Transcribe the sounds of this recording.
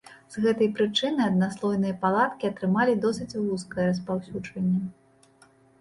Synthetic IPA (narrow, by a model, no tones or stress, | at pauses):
z̥ɣɛt̪ɐjpɾɨt͡ʂɨnɨjɐd̪naslˠɔjnɨjɐpalˠat̪kʲiɐt̪ɾɨmalʲid̪ɔsɨt͡sʲlˠuskɐjɛɾɐspawsʲud͡ʐvɐnʲːɐ